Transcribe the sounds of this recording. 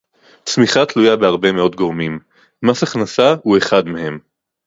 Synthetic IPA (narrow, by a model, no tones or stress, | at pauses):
smiχat̪lujabeaʁbe̞me̞o̞tɡo̞ʁmim | masaχnasaue̞χad̪mehe̞m